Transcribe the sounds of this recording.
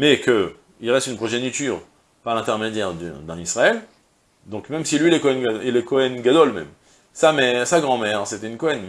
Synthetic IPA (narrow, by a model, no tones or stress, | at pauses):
mɛkə | ilʁɛst̪ynpχɔʒenit̪yːʁ | paʁlɛ̃t̪ɛʁmed̪jɛʁd̪̰d̪ɛ̃nisʁaɛl | d̪ɔ̃kmɛmsilɥilɛkɔɛnɡilɛkɔɛnɡad̪ɔlmɛ̰m | samɛʁsaɡʁɑ̃mɛʁset̪ɛynkɔɛn